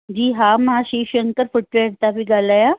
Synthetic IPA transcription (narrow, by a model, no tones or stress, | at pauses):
d͡ʑiːɦamaɕiːɕəŋkəɾfuʈʋeɽt̪abiɡʱalaja